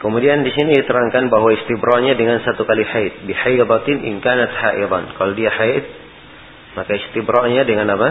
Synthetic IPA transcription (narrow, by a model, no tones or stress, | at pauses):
kəmudiandisinidit̪əɾaŋkanbaɦwaist̪ibɾɑrɲadəŋansat̪ukaliħajt̪̚biħajɾˤɑt̪ɪnʔɪ̰nkaːnat̪ha̰ʔɪɾˤɑ̰nkalodiahat̪̚ | makaist̪ibɾɑrɲadəŋanapa